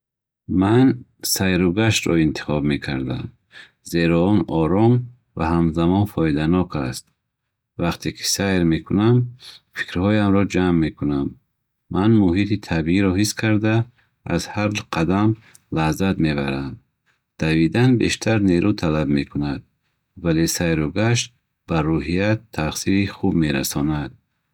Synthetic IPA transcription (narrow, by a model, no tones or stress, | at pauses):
mansajɾuɡaʃt̪ɾɔ̰int̪ʰi̥χɔbme̞kʰaɾd̪a̰m | ze̞ɾɔɔnɔɾɔm | vahamzamɔnfɔid̪anɔkʰa̰st̪̚ | vaqt̪ʰekʰi̥sajɾme̞kʰunamfi̥kɾhɔjamɾɔd͡ʒamːe̞kʰunamː | anmuhit̪it̪ʰabiiɾɔɦiskʰaɾd̪a̰ː | zhaɾd͡ʒqʰad̪am | lahzat̪me̞baɾand̪ | d̪̥avid̪anbe̞̰ʃt̪ʰaɾneɾut̪ʰalabme̞kʰunad̪̚ | vale̞sajɾuɡaʃ̬t̪ | baruɦijat̪ʰːaχsiɾiχubme̞ɾa̰sɔnad̪̥̚